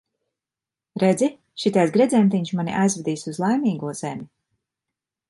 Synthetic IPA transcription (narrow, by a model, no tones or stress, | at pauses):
ɾed̪zi | ʃit̪ɛjzɡɾɛdzɛmt̪iɲʃmanḭʔajzvɛd̪iːsʲuzlˠajmʲiːɡuɔz̥ɛmʲi